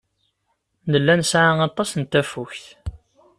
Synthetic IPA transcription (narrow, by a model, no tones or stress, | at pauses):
nəlːænsʕaɑt̪ˤːɑsnt̪ːæfuçθ